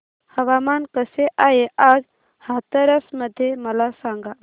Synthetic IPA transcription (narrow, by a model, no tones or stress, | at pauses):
həʋamaːnkəseʔajeʔaːd͡ʒ | hat̪əɾəsməd̪ʱjeməlasãŋɡa